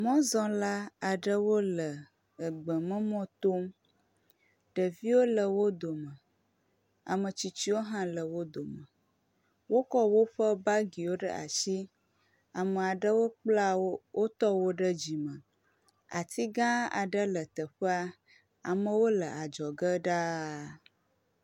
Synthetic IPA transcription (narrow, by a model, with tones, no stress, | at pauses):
mɔ̃˦zɔ̃˦la˦a˨ɖə˦wo˦lə˨ | ə˨ɡ͡bə˨mə̃˦mɔ̃˦t̪o˦m | ɖə˨vi˦wo˦lə˨wo˦d̪o˨mə˨ | a̰˨mə˨t͡ɕi˨t͡ɕi˦wo˦ɦã˦lə˨wo˦d̪o˨mə̃˨ | wo˦kɔ˦wo˦ɸə˦ba˦ɡi˨wo˦ɖə̰˦a̰˨si˦ | a˨mə˨a˨ɖə˦wo˦k͡pla˦wo˦wʔo˦t̪ɔ˦wo˦ɖə˦d͡ʑi˨mə̃˨ | a̰˨t̪ʰi˦ɡã˦a̰˨ɖə˦lə˨t̪ə˨ɸə˦a˦ | a˨mə̃˨wo˦lə˨a˨d͡ʒɔ˨ɡə˦ɖa˦